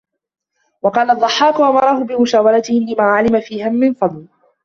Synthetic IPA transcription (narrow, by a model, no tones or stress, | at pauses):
wɑqɑːlad̪ˤːɑħːɑːkʊʔamɑɾˤɑhʊbɪmʊʃaːwalat̪ɪhɪlɪmaːʕalɪmafiːhamːɪnfɑd̪ˤl